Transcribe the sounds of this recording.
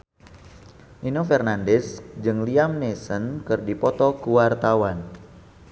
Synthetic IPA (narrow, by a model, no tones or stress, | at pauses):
ʔinofɛrnandɛsd͡ʒɨŋliamnesənkɨrdipɔt̪ɔkuwart̪awan